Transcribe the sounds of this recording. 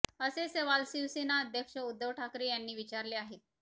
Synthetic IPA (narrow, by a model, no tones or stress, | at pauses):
əseseʋalsiʋsinaəd̪ʱjəkʂəud̪ːəʋʈʰakɾiːjanːiːʋit͡ɕaɾleaɦe